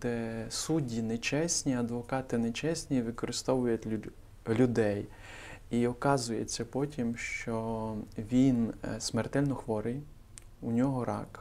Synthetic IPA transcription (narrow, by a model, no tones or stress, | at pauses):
d̪̥ɛsudʲinet͡ʃɛsʲnʲiɐd̪ʋɔkɑt̪ɪnet͡ʃɛsʲnʲiʋɪkɔɾɪst̪ɔʋʊjʊtʲ | lʲʊd̪ɛj | iɔkɑzʊjet͡sʲːɐpɔtʲimʃt͡ʃɔʋʲinsʲmert̪ɛlʲnɔxʋɔɾɪj | unʲɔɦɔɾɑk